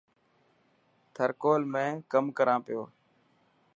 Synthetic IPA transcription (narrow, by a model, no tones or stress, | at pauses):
t̪ʰəɾkoːlmẽːkəmkəɾãːpɪjoː